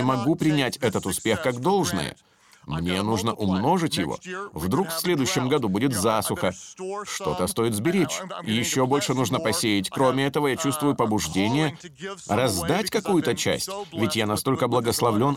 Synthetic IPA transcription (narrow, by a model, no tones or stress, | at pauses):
ɪmɐɡupɾʲɪnʲætʲɛt̪ət̪ʊspʲe̞xkaɡd̪o̞lˠʐnə̰jə̰ | mnʲe̞nuʐnəʔʊmno̞ʐɨtʲjɪvo̞̰vd̪ɾukfsʲlʲe̞d̪ʊjɕːɪmɡɐd̪ubudʲɪt̪zasʊxəʂt̪o̞t̪əst̪o̞jɪt̪zbʲɪɾʲet͡ɕɪjɪɕːo̞bo̞lʲʂɨnuʐnəpɐsʲejɪtʲkɾo̞mʲɪɛt̪əvəjat͡ɕust̪vʊjʊpəbʊʐdʲenʲɪjərɐzd̪atʲkɐkujʊt̪ət͡ɕæ̰sʲtʲvʲɪtʲjanɐst̪o̞lʲkəblˠəɡəslˠɐvlʲo̞n